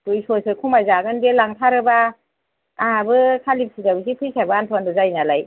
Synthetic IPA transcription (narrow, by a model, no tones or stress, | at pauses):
tujsɔsɯkʰumajzaɡɯndelaŋtʰaɾɯba | aɦabɯkʰalip̚sidabɯs̬ipʰɯjsabɯantʰandɔzajnalaj